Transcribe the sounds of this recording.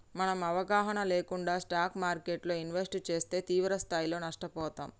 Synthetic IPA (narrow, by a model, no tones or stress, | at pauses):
mɐnɐmɐʋɐɡaːɦɐnɐle̞ːkuɳɖaːsʈaːkʰmaːɾkeːʈlo̞ːinʋesʈt͡ʃe̞ːst̪e̞ːt̪iːʋɾɐst̪ʰaːjilo̞ːnɐʂʈɐpɔːt̪a̰ːm